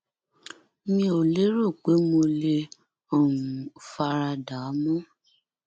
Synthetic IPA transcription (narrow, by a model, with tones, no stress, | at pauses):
mĩ˧˦o˨le˦ɾo˦˨k͡pe˨˦mo˧le˧ | ɔ˦˨wũ˨fa˧ɾa˧da˨˦mɔ̃˦